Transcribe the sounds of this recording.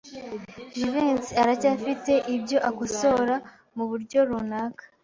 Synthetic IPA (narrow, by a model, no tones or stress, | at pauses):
ʒiveːnsiaɾacafite̞ʔibɟo̞ʔakuso̞ːɾa | muβuɾɟo̞ɾunaːkḁ